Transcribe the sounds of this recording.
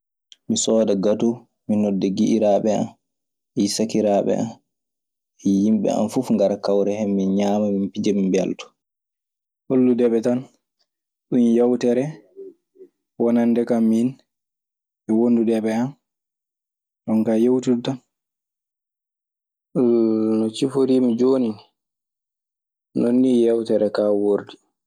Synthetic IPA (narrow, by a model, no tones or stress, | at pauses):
misɔːdaɡatu | minɔdːɛɡiʔiɾaɓɛa̰n | ɛsakiɾaːɓɛ̰a̰n | ɛjimɓɛ̰a̰nfufŋɡaɾakawɾɛhɛmːinɲaːmamimpid͡ʒamimbɛ̰ltɔ̥ | holːudɛɓɛtan | ɗunjawtɛɾɛ | wɔnandɛkamːin | ɛwondudɛɓɛan | ɗɔŋkajowtudtan | nɔt͡ʃifoɾimid͡ʒoni | nonːiːjawtɛɾɛkawoɾdi